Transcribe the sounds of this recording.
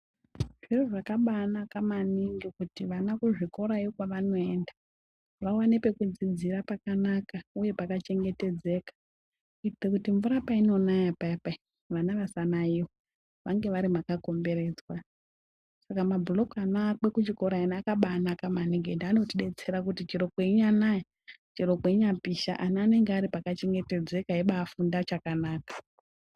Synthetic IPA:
ʐ̥iroʐakaɓanakamaniŋɡikutiʋanakuʐiko̞ɾaiokwaʋano̞e̞ːnda | ʋawanipe̞kud͡zid͡zirapakanakauje̞pakat͡ʃe̞ŋɡe̞te̞d͡ze̞ːkḁ | itekutiɱvuɾapaino̞najapapa | ʋanaʋasanaio | ʋaŋɡe̞ʋaɾimakako̞mbe̞re̞d͡zwa | sakamabulo̞kanaake̞kut͡ʃiko̞ɾaenakaɓaːnakamaniɡendiano̞tiɗe̞t͡se̞ɾakutit͡ʃiɾo̞kweiɲanaja | t͡ʃiɾo̞kweiɲapiʃa̰ʔanaːne̞ŋɡeaɾipakat͡ʃe̞ŋɡe̞te̞d͡ze̞kaɦeɓaːfundat͡ʃakanaːkḁ

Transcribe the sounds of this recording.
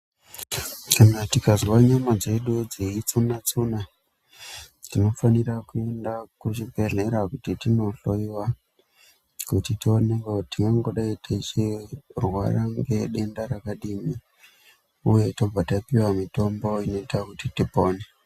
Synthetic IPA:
kanatikazwaɲamad͡ze̞ɗud͡ziit͡sunat͡suna | tino̞fanirakue̞ndakut͡ʃipe̞ɮe̞ɾakutitino̞ɬoiwa | kutitioneŋɡotiŋɡaŋɡoɗaitʰat͡ʃirwaraŋɡe̞ɗe̞ndaɾakaɗimi | uje̞to̞b͡vatapiwamito̞mbo̞ino̞itakutitipoːne

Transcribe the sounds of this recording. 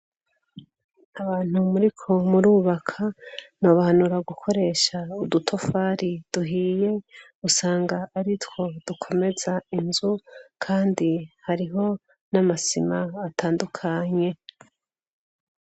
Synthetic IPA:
aβaːn̥umuɾikʰo̞muɾuːβakʰan̥oβahanuɾaɡukʰo̞ɾe̞ːʃaudutʰo̞faɾid̥uɦiːje̞ | usaːŋɡaːɾitwo̞d̥ukʰo̞me̞zainzukʰaːndihaɾiɦo̞ | namasimaːtʰaːndukʰaɲe̞

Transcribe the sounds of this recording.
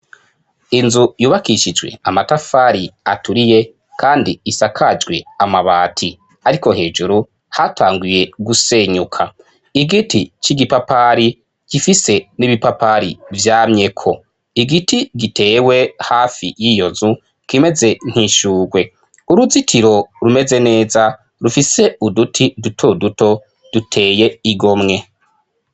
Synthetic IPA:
inzujuːβakiʃid͡ʒɡwe̞̰amatafaːɾiatuɾije̞ | kʰaːndiːsakʰad͡ʒɡwe̞̰amaβaːtʰi | aɾiko̞ɦe̞ːd͡ʒuɾu | hatʰaːŋɡuje̞ɡuse̞ɲukʰa | iɡitit͡ʃiɡipapaɾi | ɡ̥ifise̞niβipapaɾivjaːmɲe̞kʰo̞ | iɡitiɡitʰe̞ːwe̞haːfḭjijo̞zu | kime̞ze̞n̥hiʃuːɡwe̞ | uɾuzitʰiɾo̞ɾume̞ze̞ne̞ːza | ɾufise̞udutʰidutʰoduto̞ | d̥utʰe̞ːje̞iɡo̞mŋe̞

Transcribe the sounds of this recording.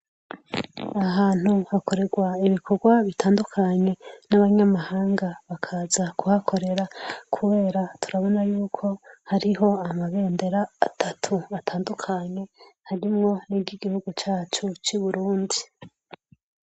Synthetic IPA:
aɦaːn̥huhako̞ɾe̞ɡwaiβikʰo̞ɡwaβitʰaːndukʰaɲe̞naβaɲamahaːŋɡaβakʰazakuhakʰo̞ɾe̞ɾakʰuβe̞ːɾatʰuɾaβo̞najuːkʰo̞haɾiɦo̞amaβe̞ːnde̞ɾaːtʰatʰuβatʰaːndukʰaɲe̞haɾimŋo̞niɟiɡihuɡut͡ʃaːt͡ʃut͡ʃuβuɾuːndi

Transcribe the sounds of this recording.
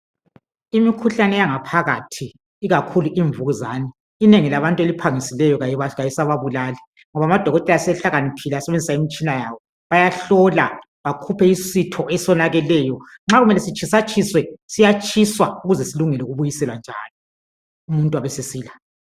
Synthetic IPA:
imikʰuɬanɛjaŋapʰaɣatʰiː | ɣakʰuluʔiɱvuɣuzaːnɛː | neŋilaβantʼelipʰaŋisilɛjɔɣaaɣajisaβaβulaːlɛ | ŋɔβamad̥ʱɔɣɔtʼɛlasɛɬaɣanipʰilasɛβend͡zʱisaimit͡ʃʼinajaːβɔ | βajaɬɔla | βakʰupʰɛisitʰɔɛsɔnaɣɛlɛːjɔŋ͡ǁaɣumɛlɛsit͡ʃʰʼisat͡ʃʼʰiswɛsijat͡ʃʰʼiswauɣuzɛsiluŋɛlɛuɣuβujisɛlwand͡ʒʱa̰ːlɔ | umuntʼuwaβɛsesiːla

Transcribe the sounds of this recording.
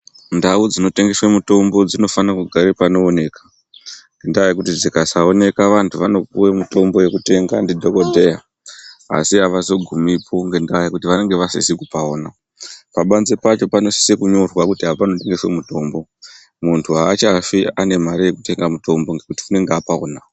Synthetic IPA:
ndaud͡zino̞te̞ŋɡe̞swemuto̞mbo̞d͡zino̞fanakuɡʱaɾepano̞ːne̞ːkḁ | ŋɡendaajekutid͡zikasao̞ne̞kaʋantʰuʋano̞k̚uwemuto̞mbo̞je̞kute̞ŋɡandidʱo̞ko̞dʱe̞ja | a̰siaʋazo̞ɡʱumipʰo̞ŋɡe̞ndawajekutiʋane̞ŋɡe̞ʋasisikupaoːna | paɓanze̞pat͡ʃo̞pano̞si̥sekuɲo̞rwakutiɦapano̞te̞ŋɡe̞swe̞muto̞mbo̞ | muntʰuaːt͡ʃafiane̞maɾaje̞kute̞ŋɡamuto̞mboŋɡekuti̥une̞ŋɡeapao̰na

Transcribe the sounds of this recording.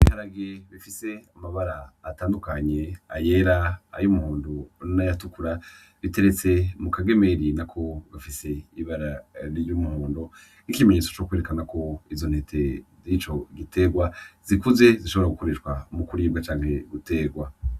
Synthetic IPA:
ihaɾaɡeβifise̞amaβaɾaːtaːndukaɲe̞aje̞ɾaa̰jumuhuːndunajatukuɾa | βite̞ɾe̞t͡se̞mukaɡe̞me̞ɾinakʰo̞βafise̞iβaɾaɾijumuhuːndo | nikime̞ɲet͡sot͡ʃokweːɾekanako̞izo̞n̥hetʰe̞zit͡ʃo̞ɡite̞ɡwaz̥ikuze̞ziʃoβo̞ɾaɡuko̞ɾeʃɡwamukuɾiːbɡat͡ʃaːŋhe̞ɡute̞ɡwa

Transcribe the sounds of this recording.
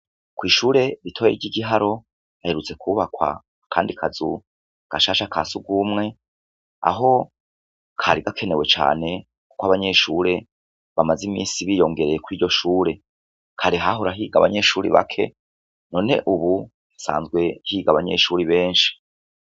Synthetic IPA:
kwiːʃuːɾe̞ɾitʰo̞jḛɟiɡiɦaɾo̞ | haheɾut͡se̞kʰuβakwa̰ | kʰaːndikʰazṵ | ɡ̥aʃaːʃakʰa̰suɡumŋe̞ | a̰ɦo̞ | kʰaɾiɡakʰe̞ne̞we̞t͡ʃa̰ːne̞ | ku̥koaβaɲe̞ʃuːɾe̞ | βamazimḭːsiβiːjo̞ŋɡe̞ɾe̞jekwiːɟo̞ʃuːɾe̞ | kʰaɾiɦaɦoɾaɦiːɡa̰βa̰ɲe̞ʃuːɾḭβa̰kʰe̞̰ | no̞ːne̞̰ʔuβu | sa̰ːnzɡwe̞hiːɡaβaɲe̞̰ʃuːɾiβe̞ːnʃi̥

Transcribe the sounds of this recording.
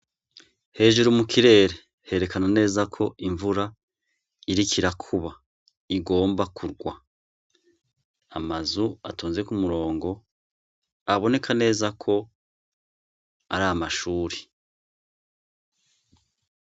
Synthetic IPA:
he̞ːʒuɾumukʰiɾe̞ːɾe | he̞ɾe̞kanane̞ːzakʰo̞ʔiɱvuɾa | iɾikʰiɾakʰuβa | iɡo̞ːmbakʰuɾɡwa | amazuatʰoːnzekumuɾo̞ːŋɡo̞ | aβo̞ne̞kʰane̞ːzakʰo̞ | a̰ɾaːmaʃuːɾi̥

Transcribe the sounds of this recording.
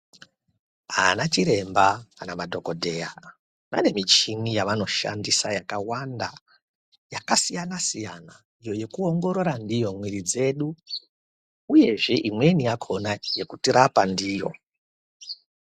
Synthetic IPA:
anat͡ʃiɾe̞mbaanamadʱo̞ko̞dʱe̞ja | na̰ne̞mit͡ʃinijaʋano̞ʃa̰ndisajakawanda | jakasijanasijana | ijo̞je̞kuo̞ŋɡo̞ɾo̞ɾandijo̞mwiɾid͡ze̞ɗu | uje̞ʐe̞ʔimwe̞niakʰo̞naje̞kutiɾapandiːjo̞̰

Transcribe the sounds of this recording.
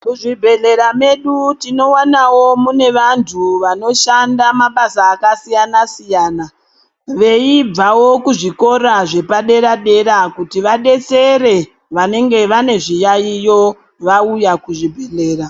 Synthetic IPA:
kuʐibʱe̞ɮe̞ɾame̞ɗutino̞wanawo̞mune̞ʋantʰuʋano̞ʃandamaɓasaːkasijanasijaːna | ʋe̞ib͡vawo̞kuʐiko̞ɾaʐe̞paɗe̞ɾaɗe̞ɾakutiʋaɗe̞t͡se̞ɾe̞ | ʋane̞ŋɡe̞ʋane̞ʐijaijo̞ | ʋaujakuʐibʱe̞ɮe̞ːɾa

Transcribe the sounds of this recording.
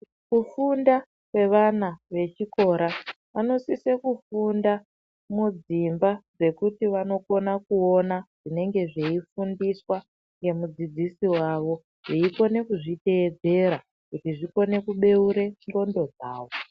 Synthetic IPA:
kufunda | kwe̞ʋanaʋe̞t͡ʃiko̞ɾa | ʋano̞sisekufunda | mud͡zimbad͡ze̞kutiʋano̞ko̞nakuonaʐ̥ine̞ŋɡe̞ʐe̞ifundiswa | ŋɡe̞mud͡zid͡zisiwaʋo̞ | ʐeiko̞ne̞kuʐite̞ːd͡ze̞ɾa | kutiʐiko̞ne̞kuɓe̞uɾe̞ŋɡo̞ndo̞d͡zaːʋo̞

